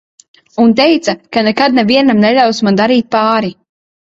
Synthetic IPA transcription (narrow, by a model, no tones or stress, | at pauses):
unt̪ɛjt̪sakanɛkad̪̚nɛviɛnamnɛlʲawsmand̪aɾiːt̪̚paːɾi